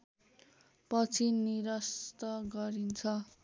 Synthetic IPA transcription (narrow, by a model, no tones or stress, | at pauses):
pʌt͡sʰiniɾʌst̪ʌɡʌɾint͡sʰʌ